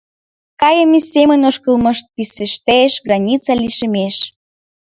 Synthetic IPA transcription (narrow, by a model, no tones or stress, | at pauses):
kɑjəmisemənoʃkəlˠmɤ̆ʃt̪̚pisəʃt̪eʃɡrɑnʲit͡sɑliʃə̆meʃ